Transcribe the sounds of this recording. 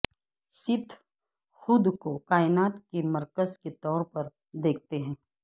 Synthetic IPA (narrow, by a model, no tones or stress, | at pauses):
sɪt̪ʰ | xʊd̪kokaːɪnaːt̪kemɐɾkəzket̪ɔːɾpɐɾ | d̪eːk̚ʰt̪eɦɛ̃ː